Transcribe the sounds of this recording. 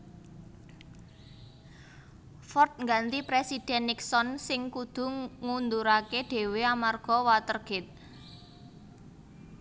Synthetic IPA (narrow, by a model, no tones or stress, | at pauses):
fɔrt̪̚ŋɡant̪ipɾesid̪̥ɛ̤nːiksɔnsɪŋkud̪̥ṳŋund̪uɾakeɖ̪̥e̤weamarɡ̥ɔ̤wat̪ərɡ̥ɪt̪̚